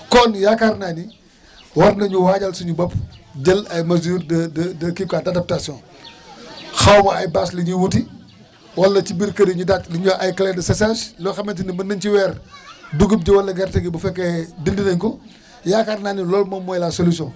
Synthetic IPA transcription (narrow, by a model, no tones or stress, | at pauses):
kɔnjakaɾnaːni | wɐɾnɐɲuwaːɟɐlsuɲubɐpɟɐlɐjmɐzuːɾdɐdɐdɐkikaːdɐdɐp̚tasjɔ̃ː | xɐwmɐɐjbaːsliɲuwuti | wɐlːɐcibiɾkɐɾiɲudakliɲuɐjkɐlɛdɐsɐsaslɔxɐment̬inimɐndɐnt͡ʃiwɛːrduɡɐp̚ɟiwɐlːɐɡɛɾtɛɡibɐfɛkːɐdindinɐɲkɔ | jakaɾnaːnilɔːlmɐmːɔjlasolisjɔ̃